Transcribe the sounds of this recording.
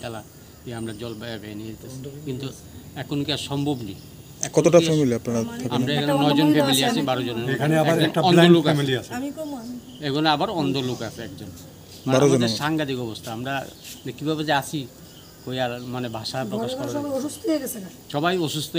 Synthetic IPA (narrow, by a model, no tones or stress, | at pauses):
d̪ala | iamɾad͡ʑɔlbajabʱɛenied̪it̪esʰikint̪u | ɛkʰonkiaʃɔmbʱobnḭ | ɛkɔt̪oʈaɔmemiliapnaɽat̪ʰakaɾaekʰanenɔjd͡ʑonfemiliasʰibaɾooneekʰaneabaɾɛnaɔnolukemiliasʰemikɔ | eɡonabaɾɔnd̪olukaseɛkd͡ʑon | maneaɾoond̪eʃaŋɡad̪ikɔbost̪ʰaamɾanekːibʱabezaasʰi | kojaɾmanebʱaʃapɾɔaʃɔɾabaoʃust̪oieɡɛsʰeʃɔbajoʃust̪o